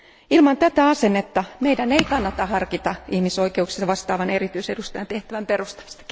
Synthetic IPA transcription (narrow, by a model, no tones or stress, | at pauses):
ilmɑnt̪æt̪æɑsenːet̪ːɑmeidæneikɑnːɑt̪ɑhɑrkit̪ɑihmisoikeuksi̥sʋɑst̪ɑːʋɑnerit̪yisedust̪ɑjɑnt̪eht̪æʋæmperust̪ɑ̥mist̪ɑ̥k